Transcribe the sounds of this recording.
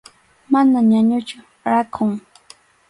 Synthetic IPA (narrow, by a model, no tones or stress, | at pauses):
manaɲaɲʊt͡ʃʊ | ɾakʰʊŋ